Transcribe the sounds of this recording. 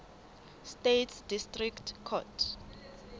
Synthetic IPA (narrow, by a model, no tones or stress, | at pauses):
stetʰsd̥istʼriktʰkʰɔtʰ